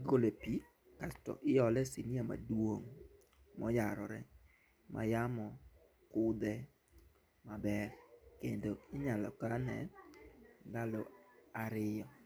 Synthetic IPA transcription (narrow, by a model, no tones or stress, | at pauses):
ɡolepi | kastɔ̰ʔɪjɔlɛsiniama̰dwoŋ | mɔjaɾɔɾɛ | mʔa̰jamɔ | kʊd̪ɛ | mabɛɾkendoɪɲalɔ̰kanɛ̰ | dalɔaɾɪjɔ